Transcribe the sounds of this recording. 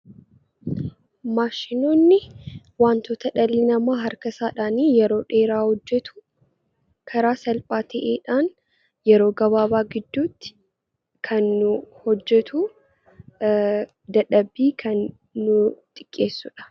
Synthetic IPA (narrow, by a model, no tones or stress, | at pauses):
maːʃɪnoːnːɪ | waːnt̪oːt̪ɐᶑɐlːɪnɐmaːɦɐɾkɐsaːᶑaːniːjɛɾo̞ːᶑe̞ːɾaːhɔd͡ʒːɛt̪ʊ̥ | kʰɐɾaːsɐlpʼaːt̪ʰɐʔeːᶑaːn | jɛɾo̞ːɡɐβaːbaːɡɪd̪ːuːt̪ːɪ̥ | kʰɐnːʊhɔd͡ʒːɛt̪ʰu | d̪ɐᶑɐbːiːkʰɐnː | ʊt̪ʼɪ̥kʼːe̞ːsːʊᶑɐ̥